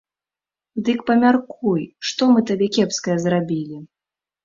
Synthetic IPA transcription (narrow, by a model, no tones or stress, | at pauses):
d̪ɨkpɐmʲarkujʂt̪ɔmɨt̪abʲɛkʲɛpskɐjɛzrabʲilʲi